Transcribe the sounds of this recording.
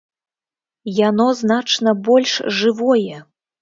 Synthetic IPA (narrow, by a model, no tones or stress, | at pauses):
janɔznat͡ʂnɐbɔlʲʂʐɨvɔjɛ